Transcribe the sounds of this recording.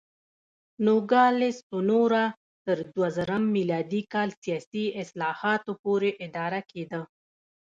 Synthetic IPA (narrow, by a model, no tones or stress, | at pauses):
noɡɑlɪsʊnoɾa | t̪əɾd̪wazəɾəmːilɑd̪ikɑlsijɑsiɪslɑhɑt̪opoɾeʔɪd̪ɑɾaked̪a